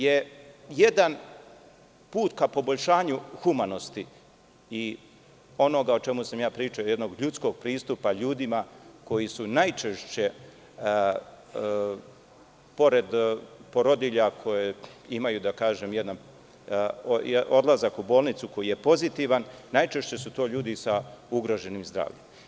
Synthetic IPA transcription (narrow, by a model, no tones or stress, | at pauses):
je̞je̞d̪an | puːt̪kapo̞bo̞ʎʲʃaːɲuxumano̞st̪i | i | o̞no̞ɡaot͡ʃe̞musamjaːpɾiːt͡ʃaoje̞d̪no̞ɡʎut̪sko̞ɡ̚pɾiːst̪upaʎuːd̪imako̞jisunajt͡ʃeʃt͡ɕe | po̞ɾe̞d̪po̞ɾo̞d̪iʎakʰo̞jeimajud̪akaːʒe̞mjed̪na | od̪lˠazakubo̞ːlˠnit̪suko̞jije̞po̞zit̪iʋanːajt͡ʃe̞ʃt͡ɕe̞sut̪o̞ːʎuːd̪isauɡɾo̞ʒe̞nimzd̪ɾa̰ːʋʎem